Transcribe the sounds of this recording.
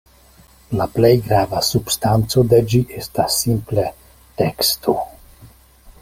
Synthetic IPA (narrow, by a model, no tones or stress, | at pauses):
naplɛjɡɾaːvasupst̪ant̪sod̪ɛd͡ʒiʔɛst̪asimplɛ | t̪ɛkst̪u